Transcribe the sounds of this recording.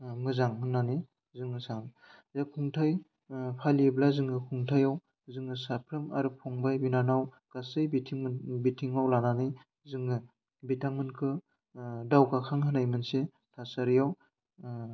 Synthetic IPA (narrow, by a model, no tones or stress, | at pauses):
mɯzaŋmɯnanɯ | zɯŋɯsaŋ | zakʰuŋtʰaj | pʰaliblazɯŋɯkʰuŋtʰajaw | zɯŋɯsapʰɾɯmaɾɯpʰɔŋbajbinanaw | kasɯjbitʰiŋbitʰiŋawlananɯj | zɯŋɯ | bitʰaŋmɯnkʰɯ | dawkakʰaŋɦɯnajmɯnse | tʰasaɾijaw